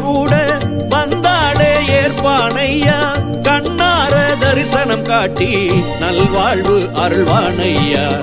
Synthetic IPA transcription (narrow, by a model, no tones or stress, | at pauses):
kuːɽɐ | ʋɐnd̪aːɽeːeːɾpaːɳɐjːaː | kɐɳːaːɾɐd̪ɐɾɪsɐnɐmkaːʈːinɐlʋaːɭʋɯʔɐɾɯɭʋaːɳɐjːaː